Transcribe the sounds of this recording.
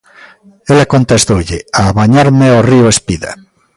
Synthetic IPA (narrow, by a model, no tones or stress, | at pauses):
elakont̪est̪oʎeaβaɲaɾmeorioespiða̰